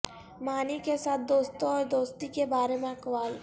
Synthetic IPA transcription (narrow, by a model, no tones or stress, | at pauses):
maːnikesaːt̪̚ʰd̪oːst̪õɔːɾd̪oːst̪ikebaːɾemẽɐkʋaːl